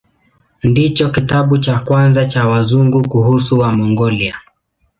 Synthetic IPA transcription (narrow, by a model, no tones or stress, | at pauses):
ndit͡ʃɔkitaɓut͡ʃakwanzat͡ʃawazuŋɡukuhusuwamɔŋɡɔlia